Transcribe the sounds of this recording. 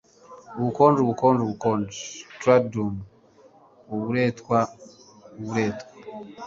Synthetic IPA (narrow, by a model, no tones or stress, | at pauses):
uβukoːnduβukoːnduβukoːndtwadum | oβuɾetkwa | uβuɾeːtkwḁ